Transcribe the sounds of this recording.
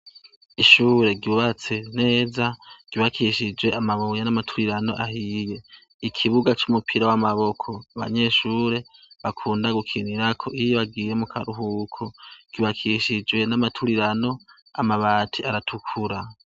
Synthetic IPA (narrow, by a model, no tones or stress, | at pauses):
iʃuːɾe̞ɡiuβat͡se̞ne̞ːzaɡ̥iβakʰiʃid͡ʒwe̞amaβujanamatʰuɾiɾano̞̰ʔahije̞ | ikʰiβuɡat͡ʃumupʰiɾawamaβo̞kʰo̞aβa̰ɲe̞ʃuːɾe̞βakʰuːndaɡukʰiniɾakʰo̞ʔijβaɡijemukʰa̰ɾuɦukʰoɡ̥iβakʰiʃid͡ʒwe̞namatʰuɾiɾano̞ | amaβatʰiaɾatʰukʰuɾa